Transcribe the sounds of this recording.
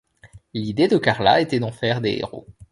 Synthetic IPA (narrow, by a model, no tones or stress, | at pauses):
lid̪ed̪əkaʁla̰et̪ɛd̪ɑ̃fɛʁd̪eḛʁo̰